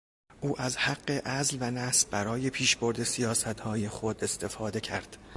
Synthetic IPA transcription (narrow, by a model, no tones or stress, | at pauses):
ʔuːʔæzhæɡːe̞ʔæzlvænæsb̥æɾɒːje̞pʰiːʃboɾd̪e̞sijɒːsæt̪hɒːje̞xod̪e̞st̪ʰe̞fɒːd̪e̞cʰæɾd̪̥